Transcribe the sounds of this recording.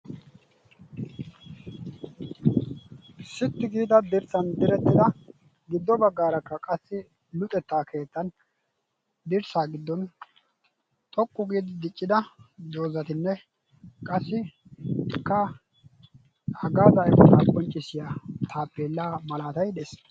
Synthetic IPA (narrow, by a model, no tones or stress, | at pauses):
sɪt̪ːɪɡiːd̪ɐd̪ɪɾsɐnd̪ɪɾɛt̪ːɪd̪ɐ | ɡɪd̪ːɔbɐɡːaːɾɐkːɐkʼɐsːɪ | lʊt̪ʼɛt̪ːaːkʰe̞ːt̪ːɐn | d̪ɪɾsaːɡɪd̪ːɔn | t̪ʼɔkʼːʊɡiːd̪ɪd̪ɪt͡ʃʼːɪd̪ɐd̪o̞ːzɐt̪ɪnːɛ | kʼɐsːɪ | kːɐ | hɐɡaːd̪ɐʔɛbɔt̪aːkʼɔnt͡ʃʼːɪsɪjaːt̪ʰaːpʼːeːlːaːmɐlaːt̪ɐjd̪ɛs